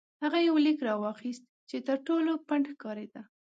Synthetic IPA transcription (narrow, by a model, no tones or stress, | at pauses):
haɣajawlikɾɑwɑxist̪̚ | t͡ʃet̪əɾʈolopaɳɖxkɑɾed̪a